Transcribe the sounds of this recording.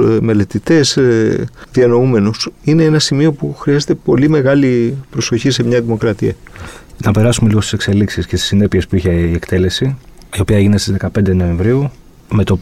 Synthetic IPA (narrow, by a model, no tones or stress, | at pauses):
me̞le̞t̪it̪e̞z | ðiɐno̞ume̞nusine̞enɐsimio̞puxɾiɐzet̪e̞po̞lime̞ɣɐlipɾo̞so̞çise̞mɲɐðimo̞kɾɐt̪iɐnɐpe̞ɾɐsume̞liɣost̪isekse̞liksiscest̪isine̞pie̞spuiçeiekt̪e̞le̞si | io̞piɐeʝine̞st̪izðekɐpe̞nd̪eno̞ẽ̞ɱvɾiu | me̞t̪o̞